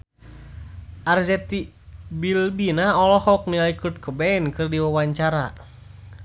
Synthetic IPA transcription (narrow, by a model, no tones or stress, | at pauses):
ʔard͡ʒɛt̪i | bilbinaɔlɔhɔk̚niaikut̪̚kʰəbɛɛnkɨrdiwawaɲt͡ʃaɾa